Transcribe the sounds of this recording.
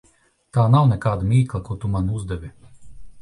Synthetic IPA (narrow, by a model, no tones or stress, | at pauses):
t̪aːnawnɛkaːd̪amʲiːklˠakut̪umanuzd̪ɛʋʲi